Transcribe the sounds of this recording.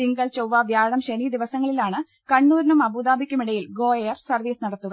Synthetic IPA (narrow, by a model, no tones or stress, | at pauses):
iŋɡɐɭt͡ɕowʋaːʋjaːɳɐmɕeniːd̪iʋɐsɐŋːɐɭilaːɳɨ | kɐɳːuːɾɐnumɐbuːd̪aːbʱikʲːumiɽɐjilɡo̞ːeɐrsɐrʋiːsnɐɽɐt̪ːuɣɐ